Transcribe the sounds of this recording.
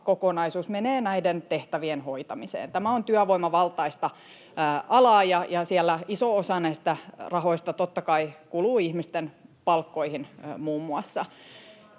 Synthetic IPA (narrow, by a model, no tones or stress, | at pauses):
kokonɑisuːsmeneːnæident̪eht̪æʋienhoit̪ɑmisḛːnt̪æmæont̪yæʋoimɑʋɑlt̪ɑist̪ɑ | ɑlɑːjɑjɑsiælːæisoosɑnæist̪ærɑhoist̪ɑt̪ot̪ːɑkɑikuluːihmist̪enpɑlkːoihinmuːmːuɑsːɑ